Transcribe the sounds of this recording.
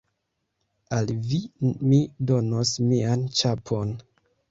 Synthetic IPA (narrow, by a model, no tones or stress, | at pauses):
alvimido̞nosmiant͡ʃapʰo̞n